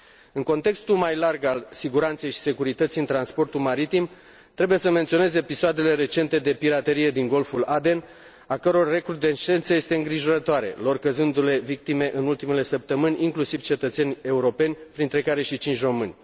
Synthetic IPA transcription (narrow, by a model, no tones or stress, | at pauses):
ɨŋko̞nt̪e̞kst̪ulmajlarɡalsiɡuɾant̪se̞jʃi̥se̞kuɾit̪ət̪siɨnt̪ɾanspo̞rt̪ulmaɾit̪im | t̪ɾe̞buje̞səme̞nt̪sio̞ne̞zeːpisoad̪e̞le̞ɾe̞t͡ʃe̞nt̪e̞d̪e̞piɾat̪e̞ɾije̞d̪iŋɡo̞lfulad̪e̞n | akəɾo̞rːe̞kud̪enʃe̞nt̪səje̞st̪e̞ɨŋɡɾiʒo̞ɾət̪oaɾe̞̰lo̞rkəzɨnd̪ule̞vik̚t̪ime̞ʔɨnult̪ime̞le̞səp̚t̪əmɨnʲiŋklusiv̥t͡ʃe̞t̪ət̪se̞nʲe̞uɾo̞pe̞nʲpɾint̪ɾe̞kaɾe̞ʃit͡ʃint͡ʃʲro̞mɨnʲ